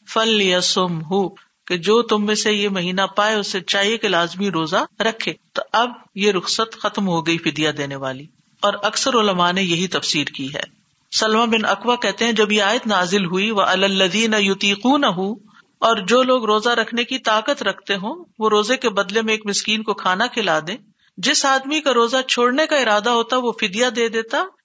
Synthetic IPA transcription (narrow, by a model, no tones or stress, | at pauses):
fɐljɐsʊmɦu | ked͡ʒoːt̪ʊmːẽsejemɐɦiːnapaːeʊsːet͡ʃaːɦiekelaːzmiɾoːzaɾɐkʰːeːt̪oʔɐb̚jeɾʊxsət̪xɐt̪mɦoɡɐifɪd̪jad̪eːneʋaːli | ɔːɾɐksəɾʊləmanejɐɦit̪ɐfsiːɾkiɦɛ̰ː | sɐlmãbɪnɐkʋakɛɦt̪eɦɛ̃d͡ʒɐbjeaːjɪd̪naːzɪlɦuiʋɐʔɐlalːɐðiːnɐjʊt̪iːquːnɐɦu | ɔːɾd͡ʒoːloːɡɾoːzaɾɐkʰnekit̪aːqət̪ɾɐkʰt̪eɦõːʋoɾoːzekebɐd̪lemẽːkmɪskiːnkokʰaːnakʰɪlaːd̪ẽː | d͡ʒɪsaːd̪mikaɾoːzat͡ʃʰoːɽnekaɪɾaːd̪aɦoːt̪aɦɛʋofɪd̪jad̪eːd̪eːt̪a